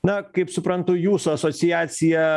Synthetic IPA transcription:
nɐkɐɪpsʊpɾɐnt̪ʊjuːsʊɐsoːsʲɪjæːt̪sʲɪjɛ

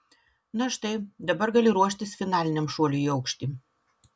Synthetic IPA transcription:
nɐʃt̪ɐɪd̪ɐbɐɾɡɐlʲɪɾuɔʃʲt̪ʲɪsfʲɪnɑːlʲɪnʲɛmʃuɔlʲuiːɐʊkʃʲt̪ʲiː

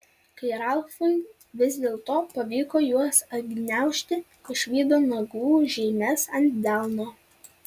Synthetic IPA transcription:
kɐɪɾɑlˠfʊn | ʋʲɪzʲd̪ʲeːlˠt̪oːpɐʋʲiːkoːjuɔsɐɡʲnʲæˑʊʃʲt̪ʲɪ | ɪʃʲʋʲiːd̪oːnɐɡuːʒʲɛɪmʲɛsɐnʲt̪ʲd̪ʲɑlˠnoː

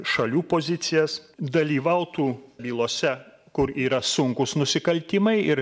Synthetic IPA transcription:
ʃɐlʲuːpoːzʲɪt̪sʲɪjɛsd̪ɐlʲiːʋɐʊt̪uːbʲiːlˠoːsʲɛ | kʊɾiːɾɐsʊŋkʊsnʊsʲɪkɐlʲt̪ʲiːmɐɪɪɾ

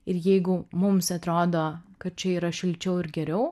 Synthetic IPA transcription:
ɪɾjɛɪɡʊmʊmsɐt̪ɾoːd̪oːkɐt̪̚t͡ʃʲɛiːɾɐʃʲɪlʲt͡ʃʲɛʊɪɾɡʲɛɾʲɛʊ

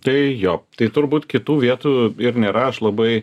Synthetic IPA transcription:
t̪ɐɪjoːt̪ɐɪt̪ʊɾbuːt̪kʲɪt̪uːʋʲiɛt̪uːɪɾnʲeːɾɐɐʃlˠɐbɐɪ

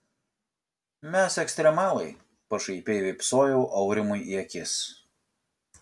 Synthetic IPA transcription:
mʲɛsɛksʲt̪ʲɾʲɛmɑːlˠɐɪ | pɐʃɐɪpʲeːʋʲɪpsoːjɛʊʔɐʊɾʲɪmʊjʔiɛkʲɪs

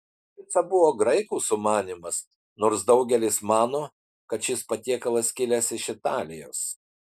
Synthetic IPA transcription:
kʲɪsɐbʊʋoːɡɾɐɪkuːsʊmɑːnʲimɐs | noːɾsd̪ɐʊɡʲɛlʲɪsmɑːnoː | kɐt̪ʃʲɪspɐt̪ʲiɛkɐlˠɐskʲɪlʲɛsɪʃɪt̪ɑːlʲɪjo̰ːs

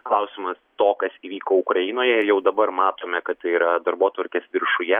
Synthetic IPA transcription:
klˠɐʊsʲɪmɐst̪oːkɐsiːʋʲiːkoːʊkɾɐɪnoːjɛɪɾjɛʊd̪ɐbɐɾmɑːt̪oːmʲɛkɐt̪t̪ɐɪiɾɐd̪ɐɾboːt̪ʋɐɾʲkʲeːsʋʲɪɾʃʊjɛ

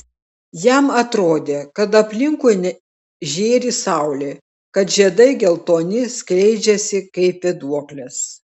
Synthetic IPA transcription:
jɛmɐt̪ɾoːd̪ʲeːkɐt̪ɐpʲlʲɪŋkuːjnʲɛ | ʒʲeːɾʲisɑˑʊlʲeː | kɐt̪ʒʲiɛd̪ɐɪɡʲɛlˠt̪oːnʲɪsʲklʲɛɪd͡ʒʲɛsʲɪkɐɪpʋʲɛd̪uɔklʲɛs

